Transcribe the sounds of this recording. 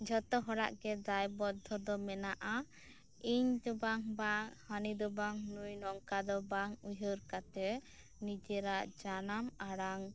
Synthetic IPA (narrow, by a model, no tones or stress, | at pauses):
d͡ʒʱɔt̪ɔɦɔɽa̰ʔɡɛd̪ajbɔd̪ʱːɔd̪ɔmɛnaʔa | iɲd̪ɔbaŋbaŋhanid̪ɔbaŋnujnɔŋkad̪ɔbaŋujəɾkat̪ɛ | nid͡ʒɛɾaʔd͡ʒanamaɽaŋ